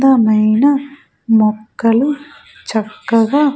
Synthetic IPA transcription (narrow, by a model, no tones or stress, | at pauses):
d̪ɐmɐjnɐ | mɔkːɐlu | t͡ʃɐkːɐɡaː